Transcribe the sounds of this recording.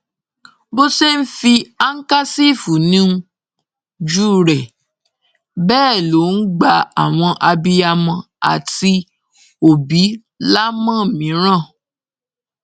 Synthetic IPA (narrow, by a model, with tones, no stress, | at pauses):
bo˦se˦n̩˦fi˧a˦ŋ̩˦ka˦si˦˨fu˨nĩ˦ũ˧ | d͡ʒuː˦ɾɛ˨ | bɛː˦˨lo˨˦n̩˦ɡ͡ba˧a˨w̃ɔ̃˧ʔa˧bi˦ja˧mɔ̃˧ | a̰˨ti˧ | o˨bi˨˦ | la˦mã˦˨mĩ˨˦ɾ̃ã˦˨